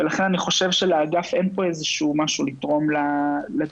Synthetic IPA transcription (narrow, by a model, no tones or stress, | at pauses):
velaχe̞naniχo̞ʃevʃeleaɡafe̞npo̞ezeʃumaʃulit̪ʁo̞mlala